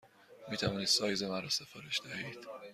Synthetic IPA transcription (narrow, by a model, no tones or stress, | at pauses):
miːt̪ʰævɒːniːd̪sɒːjzemænɾɒːse̞fɒːɾe̞ʃd̪æhiːd̪̥